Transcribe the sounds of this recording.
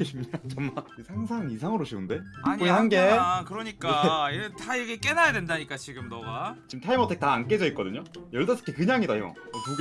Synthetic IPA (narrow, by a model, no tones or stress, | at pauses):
eɕʰimɲidat͡ɕʌmmaesʰaŋsʰaŋisʰaŋɯɾoɕʰiɯnde̞aɲ͈oɲihanɡe̞kɯɾʌɲik͈aiɯtaiɾʌkʰek͈e̞najadendaɲik͈at͡ɕiɡɯmnʌɡat͡ɕimtʰaimʌtʰek̚taːnk͈e̞d͡ʑʌik͈ʌdɯɲojʌɭdʌs͈ʰɯ̥kʰekɯɲaŋidajo̰kuɡ